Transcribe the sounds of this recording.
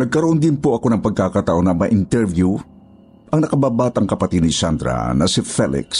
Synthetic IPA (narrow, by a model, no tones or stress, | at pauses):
nɐɡ̚kɐɾoʔond̪ɪnpoʔɐko̞nɐŋpɐɡ̚kakat̪aʔo̞nɐmɐʔɪnt̪ɛɹvju | ʔɐŋnɐkɐbabat̪ɐŋkɐpɐt̪id̪nisand̪ɾa̰nɐsifɛlɪ̰ks